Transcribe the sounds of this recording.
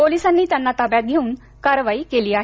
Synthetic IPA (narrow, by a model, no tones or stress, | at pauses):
polisanːiːt̪janːat̪apjat̪̚ɡʱeuːn | kaɾʋaiːkeliːaɦe